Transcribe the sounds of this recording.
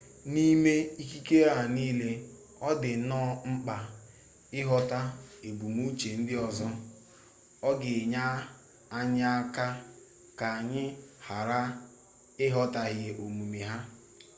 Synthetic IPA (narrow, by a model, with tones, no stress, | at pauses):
ni˦me˦i˦ki˦ke˦a˨niː˦le˦ | ɔ˦dɪ˨˦nɔ˦ŋ͡m̩˦k͡pa˨ | ɪ˦ɦɔ˦ta˦e˨bu˨mu˦t͡ʃe˨n̩˦dɪ˦ɔ˨zɔ˦ | ɔ˦ɡɪ˨ɲa˦ | a˦ɲ˦a˦ka˦ | ka˨a˨ɲɪ˦ha˨ɾa˦ | ɪ˦ɦɔ˦ta˨ɣɪ˦˨ʔo˨mu˨me˨ɦa˦